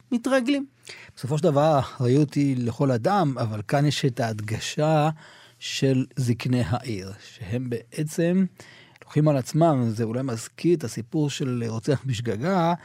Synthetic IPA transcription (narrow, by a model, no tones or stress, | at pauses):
mit̪ʁaɡlim | b̥eso̞fo̞ʃ̬ed̪avaʁʁaiuot̪ileχo̞lad̪amavalkanjeʃet̪aːd̪ɡaʃa | ʃe̞lziknejɦaʔiʁʃehe̞mbe̞ʔet͡se̞m | loχimalat͡smamzeulajmazkit̪asipuʁʃe̞lʁot͡seaχbiʃ̬ɡaɡa